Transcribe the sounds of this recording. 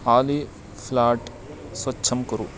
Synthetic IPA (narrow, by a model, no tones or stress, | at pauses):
aːli | fʰlaːʈ | swɐtːt͡ʃʰɐmkɐɾṵ